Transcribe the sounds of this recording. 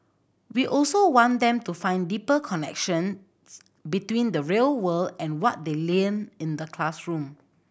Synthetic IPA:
wiʔɔlsowɔ̃ndɛ̃mtufãɪ̃ndipəkʰɔnɛ̰kʃə̃n | s | bitwĩndəɹelwəldɛ̃nwɔt̚delẽmĩndəkʰlasɹũm

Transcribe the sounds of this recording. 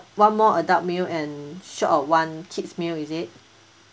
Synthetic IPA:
wãnmɔədap̚milɛ̃nʃɔtɔwãnt͡ʃʰitsmilizit̚

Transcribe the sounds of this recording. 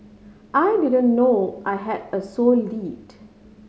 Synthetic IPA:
ʔajdidə̃nːoʔajɦɛdəsollit

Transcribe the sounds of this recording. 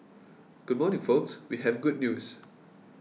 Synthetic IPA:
ɡ̥ʊd̚mɔnɪ̃ŋfokswiɦɛvɡʊd̚njus

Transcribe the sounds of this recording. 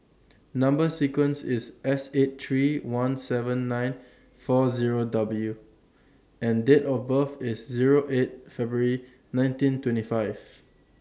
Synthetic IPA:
nãmbəsikwə̃nsɪsʔɛset̚tɹiwãnsɛvə̃nːãj̃n | fɔziɹodabəlju | ɛ̃ndetɔfbəfɪsziɹoʔet̚fɛbɹəɹi | nãj̃ntĩntwɛ̃ntifaɪv̥

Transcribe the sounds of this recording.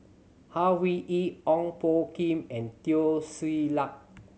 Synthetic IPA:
hawwiʔitɔ̃ŋpokĩmɛ̃ntiosilak̚

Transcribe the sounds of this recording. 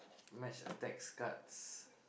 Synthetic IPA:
mɛʃə̰tɛkskats

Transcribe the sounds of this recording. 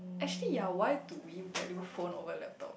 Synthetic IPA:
ʔɛk̚t͡ʃəlijawajt̪uwibɛliufõno̰vəlɛp̚t̪ɔ̰p̚

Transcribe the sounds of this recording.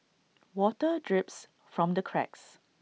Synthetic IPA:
wɔtədɹɪps | fɹɔ̃mdəkʰɹɛ̰ks

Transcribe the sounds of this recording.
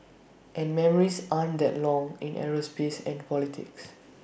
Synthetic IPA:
ʔɛ̃nmɛməɹisʔãndɛtlɔ̃ŋĩnʔɛ̰ɹəspesɛ̃npɔlitʰɪ̰ks

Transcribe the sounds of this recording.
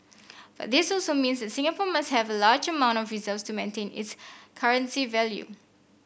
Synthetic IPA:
b̥a̰t̚d̪ɪsɔlsomĩnsdɛtsĩŋapɔmasthɛvəlad͡ʒəmãʊ̃ntɔfɹizəltstumẽntʰẽnɪ̰tskʰaɹə̃nsivɛljṵ

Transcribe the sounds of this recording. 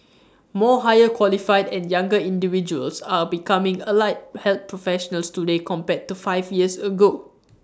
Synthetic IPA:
mɔɦajəkʰwɔlifaɪdɛ̃njãŋɡəĩndivid͡ʒuə̰lsabikãmɪ̃ŋəlaɪt̚hɛlt̪̚pʰɹɔfɛʃənəlstudekʰɔ̃mpɛtːufaɪfjiəsəɡo

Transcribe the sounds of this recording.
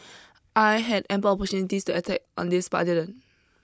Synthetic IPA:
ʔajɦɛdɛ̃mpəlɔpɔtjunitistuətʰɛk̚ɔ̰̃ndispa̰dilɛ̃n

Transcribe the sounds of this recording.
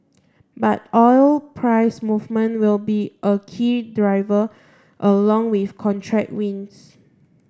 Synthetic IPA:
bat̚ɔjlpʰɹaɪsmuvmə̃nwilbiʔəkʰidɹaɪvə | ʔəlɔ̃ŋwifkʰɔ̃ntʰɹɛk̚wĩns

